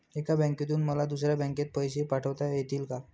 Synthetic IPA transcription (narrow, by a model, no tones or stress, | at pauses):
ekabə̃ŋket̪̬uːnməlad̪us̬ɾjabə̃ŋket̪̚pəjsepaʈʰəʋt̪ajet̪iːlka